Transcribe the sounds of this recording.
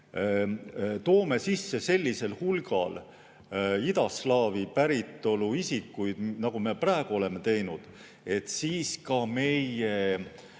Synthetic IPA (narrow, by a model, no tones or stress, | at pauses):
t̪o̞ːme̞sisːe̞se̞lʲːise̞lhulɡ̥ɑ̰l | id̪̥ɑslɑːvipæɾit̪ˑːo̞luisikːˑujd̪̥nɑɡ̥ume̞præːeɡ̥uo̞le̞me̞t̪e̞jnud̪̥ | e̞t̪siːskɑme̞je